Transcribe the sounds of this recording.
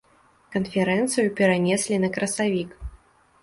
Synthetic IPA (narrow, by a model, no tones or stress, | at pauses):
kɐnfʲɛɾɛnt̪sɨjupʲɛɾanʲɛsʲlʲinɐkɾɐsavʲik